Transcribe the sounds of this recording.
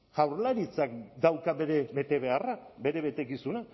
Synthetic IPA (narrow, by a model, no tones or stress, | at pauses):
ʝawɾlaɾit͡sak̚d̪awkaβeɾebe̞t̪e̞βe̞arabe̞ɾe̞βe̞t̪e̞kisuna